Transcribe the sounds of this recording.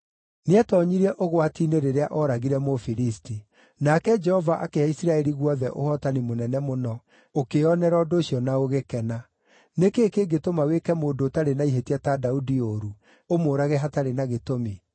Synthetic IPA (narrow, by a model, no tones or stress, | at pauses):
neɛtɔɲiɾɛʔoɣwatineɾeɾeaʔɔɾaɣiɾɛmofiɾisti | nakɛd͡ʒɛhɔvaʔakeaisiɾaɛɾiɣwɔðɛʔo̰hɔtanimonɛnɛmonɔ | okeɔnɛɾɔdoːɕiɔnaoɣekɛna | nekeːkeɡetomawekɛmoːndotaɾenaiɦetiatadaudioɾu | omoːɾaɣɛɦataɾenaɣetomi